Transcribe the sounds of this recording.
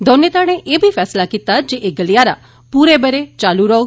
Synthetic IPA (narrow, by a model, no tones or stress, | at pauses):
d̪ʱɔnjet̪aɽ̃eʔebʱifɛslakit̪ad͡ʒeʔeɡəlijaɾa | puɾebəɾet͡ʃaluɾɔo